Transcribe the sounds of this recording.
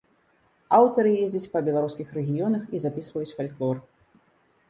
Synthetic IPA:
awt̪ɐɾɨjezʲd͡zʲɐt͡sʲpɐbʲɛlˠaɾuskʲixɾɛɣʲijɔnɐxizapʲisvɐjut͡sʲfalʲklˠɔr

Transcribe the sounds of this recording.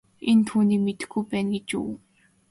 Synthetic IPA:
ent̪ʰuːniːmet̪ɘ̆xɡujpæːnɡet͡ɕṵːw

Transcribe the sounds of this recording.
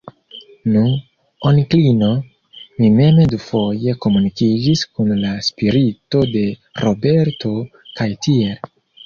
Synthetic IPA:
nu | oniklino | mime̞medufo̞je̞ko̞munikid͡ʒiskunlaspiɾito̞de̞ɾo̞be̞ɾtʰo̞kajtiel

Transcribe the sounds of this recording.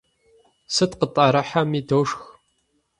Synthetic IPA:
sɨtqətʼaɾɐħamiːdoːʂx

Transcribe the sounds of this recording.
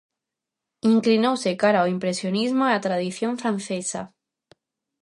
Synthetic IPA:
iŋklinowsekaɾaoimpɾesjonizmoat̪ɾað̞iθjõɱfɾãnθesa̰

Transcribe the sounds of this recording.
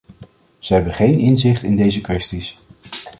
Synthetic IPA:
z̥əɦɛbəχejnɪnzɪχtɪndejzəkʋɛstis

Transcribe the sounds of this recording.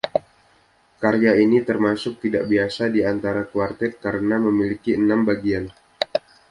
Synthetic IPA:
kaɾjainit̪ərmasʊk̚t̪idaʔbiasadiant̪aɾakuart̪ɛt̪̚kaɾənaməmilikiənambaɡian

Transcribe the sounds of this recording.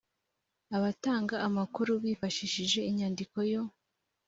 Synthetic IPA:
aβataːŋɡaːmakuɾuβiːfaʃiʃiʒe̞iɲaːndiko̞jo̞

